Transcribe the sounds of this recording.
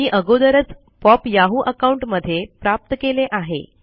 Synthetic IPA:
iːʔəɡod̪əɾət͡s | pɔpjaɦuːʔəkauɳʈməd̪ʱːjepɾap̚t̪əkeleʔaɦḛ

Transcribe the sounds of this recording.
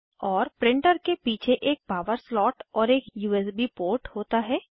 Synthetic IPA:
ɔːɾpɾɪ̃ɳʈəɾkepiːt͡ʃʰeʔeːk̚paːʋəɾslɔːʈɔːɾeːkjuːɛs̬bipoːɾʈhoːt̪aɦɛː

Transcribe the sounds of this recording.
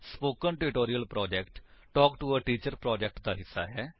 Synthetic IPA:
spoːkənʈɪʈoːɾiəlpɾɔːd͡ʒɛːkʈʈɔːkʈuəʈiːt͡ʃəɾpɾɔːd͡ʒɛk̚ʈd̪aːɦɪsːa̰ːɦɛː

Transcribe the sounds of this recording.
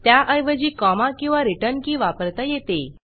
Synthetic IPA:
t̪jaʔəjʋəd͡ʑiːkɔmakĩw̃ʋaɾiʈənkĩːʋapəɾt̪ajet̪e

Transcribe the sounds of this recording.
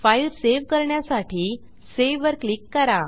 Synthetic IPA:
failseʋkəɾɳjasaʈʰiː | seʋəɾklikːəɾa

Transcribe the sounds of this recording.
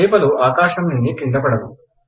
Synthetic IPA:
jpɐluaːkaːʃɐmninnːit̪iɳd̪ɐpɐɽɐd̪u

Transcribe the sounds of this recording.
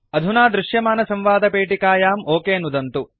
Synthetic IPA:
ɐd̪ʱunaːd̪ɾuʃjɐmaːnɐsɐmʋaːd̪ɐpeːʈikaːjaːmʔoːkeːnud̪ɐnt̪u

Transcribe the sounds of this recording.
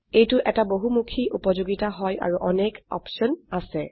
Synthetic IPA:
ejtʊʔɛtaboɦumukʰiʔupɔzoɡitaɦɔja̰ɹuʔɔnekɔ̰psɔnasɛ

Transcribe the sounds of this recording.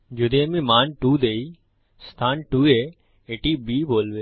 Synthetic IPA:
d͡ʒʊd̪eːmĩːmaːnʈuːd̪eːi | st̪ʰaːnʈuːeː | eːʈiːbiːboːlʋeː

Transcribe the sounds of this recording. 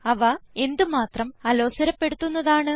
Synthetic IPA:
ɐʋɐe̞nd̪ɨmaːt̪rɐmɐloːsɐɾɐpːe̞ɽut̪ːunːɐðaːɳɨ

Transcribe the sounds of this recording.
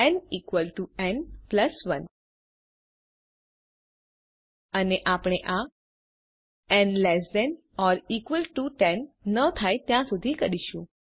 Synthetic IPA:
ɛnikʋəlʈuɛnpləsʋən | əneʔapɽ̃eʔa | ɛnlɛsɖɛn | ɔɾikʋəlʈuʈɛnːət̪ʰajt̪jãsud̪ʱikəɾiʃũ

